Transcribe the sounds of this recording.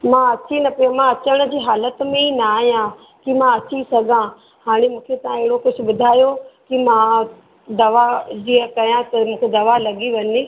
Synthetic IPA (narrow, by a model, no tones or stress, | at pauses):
mãɐt͡ɕinɐpijomãɐt͡ɕəɽ̃ə̆d͡ʑiːɦaːlət̪mẽinaːɦijã | kimãɐt͡ɕisɐɡʱã | haːɽ̃emũːkʰet̪ɐãeɦɪɽokʊd͡ʑʱʰʊ̆ɓʊd̪ʱaːjokimã | d̪ɐʋad͡ʑiːə̃kɐɾjãt̪ɐmũːkʰed̪ɐʋalɐɠiʋɐɲe